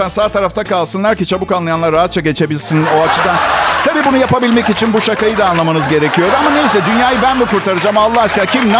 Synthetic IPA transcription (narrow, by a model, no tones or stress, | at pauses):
ansaːt̪ʰaɾaft̪ʰakalˠsɯnlˠaɾcit͡ʃʰabukanlˠajanˠaɾːaɦat̪̚t͡ʃʰaɟe̞t͡ʃʰe̞bilʲsino̞at͡ʃʰɯd̪ant̪ʰabiːbunujapabilʲmɛcit͡ʃʰinbuʃakajɯd̪aːnlˠamanɯzɟe̞ɾe̞cʰijo̞d̪amane̞js̬ɛd̪ynjaːjɯbænb̪ikuɾt̪ʰaɾɯd͡ʒaːmalˠːaɦat͡ʃkaɾcʰimna